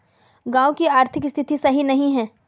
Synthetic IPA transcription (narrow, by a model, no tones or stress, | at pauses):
ɡãːokiaːɾt̪ʰɪkst̪ʰɪt̪isɐɦinɐɦĩɦɛ̃ː